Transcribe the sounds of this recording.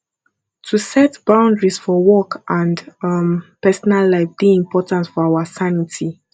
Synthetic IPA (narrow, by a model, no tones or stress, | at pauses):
tʰusɛtb̥ãʊ̃ndɹisfɔwɔkʰʔãndmpɛsɔnalːaɪfdeĩmpʰɔtãnsfɔaʊasanitʰi